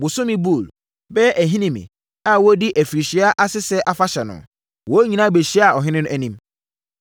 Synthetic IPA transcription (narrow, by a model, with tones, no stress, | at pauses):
bʊ˨sʊ̃˦mĩ˦bu˦˨l | bɛ˦ʔæ˨ɦĩ˦nĩ˦mḭ̃˨ | a˦˨wɔ˦di˦ʔæ˨fi˨ɾi˨ɕi˨˦a˦ʔa˦sɪ˦sɛ˦ʔa˦fa˦ɕɛ˨nʊ̰̃˨ | wɔ˦ɲĩ˨nã˦be˨ɕi˦a˨ɔ˨ɦɪ̃˦nɪ̃˦nʊ̃˦æ˦nĩ˦m